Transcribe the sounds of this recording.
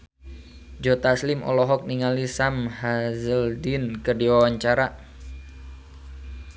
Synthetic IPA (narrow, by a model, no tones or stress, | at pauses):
d͡ʒɔt̪aslɪmʔɔ̰lɔɦɔk̚niŋalisamhazəldinkərdiwawaɲt͡ʃaɾa